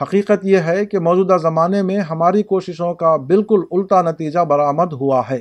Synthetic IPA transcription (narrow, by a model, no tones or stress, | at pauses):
ɦɐqiːqət̪jeɦɛkemɔːd͡ʒuːd̪azɐmaːnemẽɦɐmaːɾikoːʃɪʃõkabɪlkʊlʊlt̪anɐt̪iːd͡ʒabɐɾaːməd̪ɦʊaɦɛː